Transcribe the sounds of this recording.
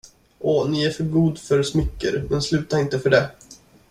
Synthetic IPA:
ʔɔnɪæɾfœɾɡuːd̪fœɾsmʏkːə̰ɾmɛnslʉ̟ːt̪aɾɪnt̪əfœɖɛ

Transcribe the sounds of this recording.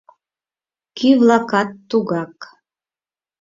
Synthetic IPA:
kyvlˠɑkɑt̪ːuɣɑk

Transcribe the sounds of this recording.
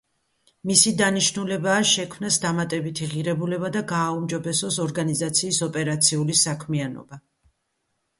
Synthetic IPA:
misid̪aniʃnulɛbaːʃɛkʰmnasd̪amat̪ʼɛbit̪ʰiʁiɾɛbulɛbad̪aɡaːumd͡ʒɔbɛsɔsɔɾɡanizat̪sʰiːsɔpʼɛɾat̪sʰiulisakʰmianɔ̰ba

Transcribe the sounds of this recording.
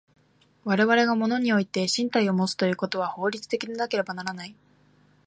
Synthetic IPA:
βaɾe̞βaɾe̞ɡamo̞no̞ɲ̟io̞it̪e̞ɕĩnt̪aio̞mo̞t͡sɨ̥t̪o̞jɯ̟ːko̞t̪o̞β̞aho̞ːɾʲit͡sɨ̥t̪e̞kʲiɲenake̞ɾe̞banaɾanai

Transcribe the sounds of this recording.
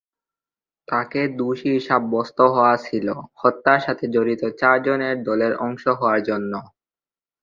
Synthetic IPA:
t̪aked̪uʃiiʃab̚ːɔst̪oɦɔat͡ɕʰilohɔt̪ːaɾʃat̪ʰed͡ʑoɾit̪ot͡ɕaɾd͡ʑoneɾd̪ɔleɾɔŋʃoɦɔaɾd͡ʑonːo

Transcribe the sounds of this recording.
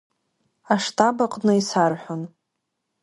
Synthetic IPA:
aʂtʰʼabaqʼnɨisarħʷᶣʊn

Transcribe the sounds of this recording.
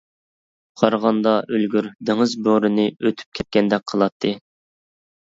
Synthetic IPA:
qʰɑɾʁɑnd̪ɑʔølɡʲyɾd̪ɪŋɨzboɾɨnɨøt̪ʰy̥p̚kʲʰɛt̪̚kʲɛnd̪ɛk̚ʲqʰəlˠɑt̪ʰːɨ

